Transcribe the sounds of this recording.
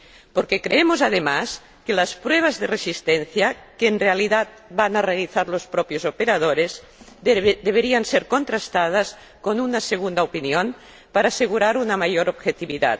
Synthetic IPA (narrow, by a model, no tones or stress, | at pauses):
poɾkekɾeemozaðemas | kelaspɾweβ̞azðeresist̪enθjakeːnrealiðat̪̚ | banarealiθaɾlospɾɔpjozopeɾað̞oɾez | d̪eβ̞eɾianseɾkont̪ɾast̪að̞as | konunaseɣ̞und̪aopinjon | paɾaːseɣuɾaɾunamajoɾobxet̪iβiða̰t̪